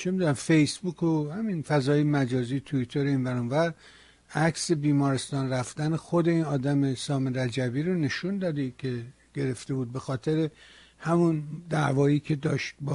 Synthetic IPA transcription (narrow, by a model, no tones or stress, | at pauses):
t͡ʃʰemid̪unæmfe̞jsbukʰohæminfæzɒːjemæd͡ʒɒːziːjet̪ʰuit̪ʰeɾeinvæɾunvæɾ | ækʰse̞biːmɒːɾe̞st̪ɒːnræfd̪ænexod̪e̞iːnɒːd̪æmesɒːmeɾæd͡ʒæbiːɾone̞ʃund̪ɒːd̪ikʰe̞ | ɡ̥e̞ɾe̞ft̪e̞buːd̪̚be̞xɒːt̪ʰe̞ɾe̞ | hæmund̪æʔvɒːiːkʰe̞d̪ɒːʃt̪̚b